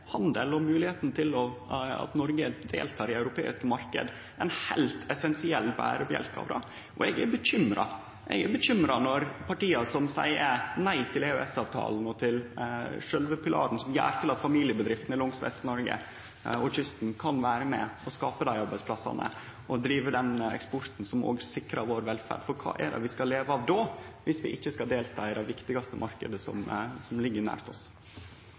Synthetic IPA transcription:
hɑnd̪əlɔmʉːlɪheːt̪n̩t̪ʰɪlɔɑ̰t̪nɔɾɡəd̪ḛːlt̪ʰɑːɾɪɑʉɾʊpʰḛːɪskəmɑɾkə̰d̪ | ʔɛnhæɪlt̪ʰɛsɛnsɪɛlːbæ̰ːɾəpjɛ̰lk̪ɑ̰ːʋɾɑ̰ | ʔɔɛɡæbəçʏmɾɑ̰ | ʔɛ̰ɡæbəçʏmɾɑnɔɾpʰɑʈiːɑsɔmsæ̰ɪənæɪt̪ʰɪleʉɛsɑːʋt̪ʰɑ̰ːln̩ɔt̪ʰɪlʂœlʋəpʰɪlɑ̰ːɾn̩sɔmjæ̰ːɾt̪ʰɪlɑt̪fɑmiːlɪəbəd̪ɾɪft̪nɪlʊŋsʋɛ̰st̪nɔɾɡə̰ | ɔçʏst̪n̩kʰɑnʋæːɾəmɛ̰ɔskɑːpəd̪æɪɑɾbæɪspʰlɑsɑ̰nə̰ | ʔɔd̪ɾiːʋəɖ̪ɛnɛ̰kspɔɾt̪n̩sɔmo̰ːɡsɪkɾɑʋoːɾʋɛlfæ̰ːɖfɔɾkʰɑ̰ːʔɛ̰d̪ɛ̰ʋɪskɑleːʋəɑʋd̪oʋɪsʋɪʔɪçːəskɑd̪eːlt̪ʰɑːɪd̪ɛʋɪkt̪ɪɡɑst̪əmʔɑɾkəd̪əsɔ̰msɔmlɪɡːəɾnæ̰ːɾt̪ɔs

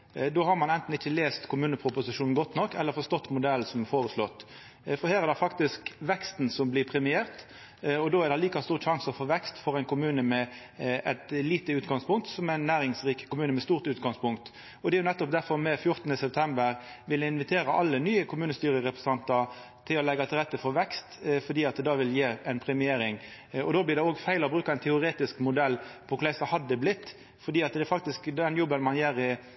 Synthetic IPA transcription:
d̪oːhɑɾmɑnɛnt̪n̩ɪçːəleːst̪kʰʊmʉːnəpʰɾʊpʊsɪʂuːn̩ɡɔt̪ːnɔkːɛlːəɾfɔst̪ɔt̪ːmʊd̪ɛlsɔmɛfoːɾəslɔt̪ː | fɔɾheːɾʁæd̪ɛfɑkt̪ɪskʋɛkst̪n̩sɔmblɪpʰɾɛmɪeːʁt̪ | ɔd̪oːæɾd̪ɛliːkɑst̪uːʁʃɑŋsɔfoːʋɛkst̪fɔɾæɪnkʊmʉːnəmɛ | ʔɛt̪liːt̪əʉːt̪ɡɑŋspʊŋkt̪sɔmæɪnːæːɾɪŋsʁiːkə̥kʊmʉːnəmɛst̪uːʁt̪ʉːt̪ɡɑŋspʊŋkt̪ | ɔd̪ɛæɾjʊnɛt̪ːɔp̚d̪æɾfɔʁmɛfjʊʁt̪ənəsɛp̚t̪ʰɛmbəɾʋɪlɪnʋɪt̪ʰeːɾəʔɑlːənyːəkʰʊmʉːnəst̪yːɾəʁɛpɾɛsɑnt̪ɑɾ | t̪ʰɪlɔlɛɡːɑt̪ʰɪlʁɛt̪ːəfɔɾʋɛkst̪fɔd̪iːɑt̪̚d̪ɛd̪ɑːʋɪljeːæɪnpʰɾɛmɪeːɾɪŋɔd̪oːblɪʁɾd̪ɛoːɡfæɪlɔbɾʉːkɑɛnt̪ʰɛʊɾeːt̪ɪskmʊd̪ɛlːpʰɔkʰʊlæɪsɑhɑd̪ːəblɪt̪ː | fɔɾd̪iːɑt̪d̪ɛfɑk̚t̪ɪskd̪ɛnjɔbənmɑnjæːɾɪ

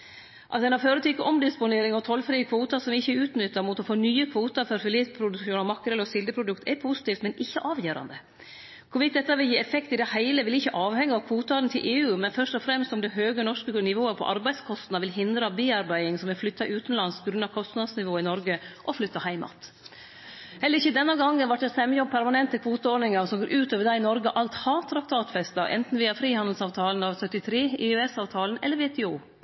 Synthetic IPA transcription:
ʔɑ̰t̪ɛɪnɑføːɾət̪ʰykəʔɔmd̪ɪspʊneːɾɪŋɔt̪ʰɔlːfɾiːəkʰʋoːt̪ɑsɔmʋɪɪçːəʉːt̪nʏt̪ːɑmʊt̪ɔfoːnyːəkʰʋuːt̪ɑɾfɔɾfɪliːt̪pʰɾʊd̪ʉkʃuːnɑmɑkːəɾɛlɔsɪld̪əpʰɾʊd̪ʉkt̪ɛɾpʰusɪ̥t̪iːft̪mɛnʔɪçːəʔɑːʋjøːɾɑ̰nd̪ə | kʰʊɾʋɪkt̪̚d̪ɛt̪ːɑʋɪljiːɛfɛkt̪ɪd̪ɛhæɪləʋɪlɪçːəʔɑːʋhɛŋːəɑʋkʰʋuːt̪ɑɾnt̪ʰɪlʔeːʉːmɛnfœʂʈɔfɾɛmst̪ɔmd̪ɛɦøːɡənɔʂkənɪʋoːəɾpʰɔ̰ʔɑɾbæɪ̥skʰɔst̪nɑʋɪlɦɪnd̪ɾɑbiːɑɾbæɪɪŋsɔmʋɪlflʏt̪ːɑʔʉːt̪nlɑnspʰɔɡɾʉnːɑʋkʰɔst̪nɑd̪snɪʋoːɪnɔɾɡəʔɔflʏt̪ːɑhæɪmɑ̰t̪ | hɛlːəɾɪçːəd̪ɛnːɑɡɑŋːənʋɑʈ̚d̪ɛsɛmːəjɔb̚pʰæɾmɑnɛnt̪əkʰʋuːt̪əoɾnɪŋɑɾsɔmɡoːɾʔʉːt̪oːʋəɖ̪æɪnɔɾɡəʔɑlt̪hɑːt̪ʰɾɑk̚t̪ʰɑːt̪fɛst̪ɑʔɛ̰nt̪n̩ʋiːɑfɾiːhɑnd̪l̩sɑːʋt̪ʰɑːlənɑʋsœt̪ːɪt̪ʰɾeːɪʉɛsɑːʋt̪ʰɑːlənɛlːəɾʋeːt̪ʰɛuː

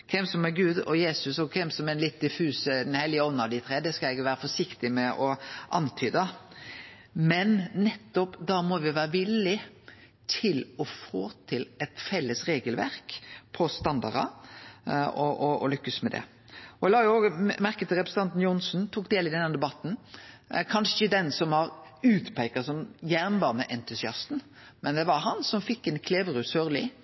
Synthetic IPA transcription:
kʰɛmsɔmɛɾɡʉːd̪ɔjeːsʉsɔkʰɛmsɔmɛnlɪt̪̚d̪ɪfʉːsəd̪ɛnhɛlːɪəɔnːɑʋd̪ɪt̪ʰɾeːd̪ɛskɑɛɡʋæːɾəfɔʂɪkt̪ɪmɛʔɔʔɑ̰nt̪ʰyːd̪ə | mɛnːɛt̪ːɔpd̪ɑmɔʋɪʋæːɾəʋɪlːɪ | t̪ʰɪlɔfoːt̪ʰɪlɛt̪fɛlːəsɾeːɡəlʋæ̰ɾkpʰɔst̪ɑnd̪ɑ̰ɾɑ̰ | ɔʔɔɔ̰lʏkːəsmɛd̪ɛ̰ | ɔɛlɑːjʊoːɡmæɾkət̪ʰɪlɾɛpɾsn̩t̪ɑnt̪n̩jʊnsnt̪ʰuːk̚d̪eːlɪd̪ɛnːəd̪ɛbɑt̪ːn̩ | kʰɑnʂəɪçəd̪ɛnsɔmhɑɾʉːt̪pʰæɪkɑsɔmjæɾnbɑːnəʔɛnt̪ʉsɪɑst̪n̩ | mɛnd̪ɛʋɑɾɦɑnsɔmfɪkːɛnkʰleːʋəɾʉsøːɾlɪ̰

